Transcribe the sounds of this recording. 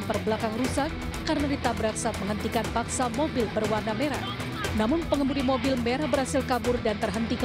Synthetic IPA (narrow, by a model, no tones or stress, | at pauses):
npərbəlakaŋrusak̚ː | aɾənadit̪abəɾaksat̪̚məŋɦənt̪ikanpaksamobɪlbərwarnameɾa̰ | namʊnpəŋəmuɾimobɪlmeɾabəɾhasɪlkabʊrdant̪ərɦənt̪ik